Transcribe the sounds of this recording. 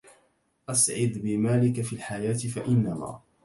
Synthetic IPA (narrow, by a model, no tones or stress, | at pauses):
ʔasʕɪd̪bɪmaːlɪkafiːlħajaːt̪ɪfaʔɪnːama̰ː